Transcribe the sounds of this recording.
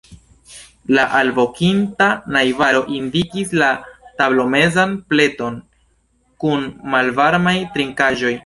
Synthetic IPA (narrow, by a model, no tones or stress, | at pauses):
laʔalbo̞kintanajvaɾo̞ʔindikislatablo̞me̞zanple̞to̞n | kunmalvaɾmajtɾiŋkaʒo̞j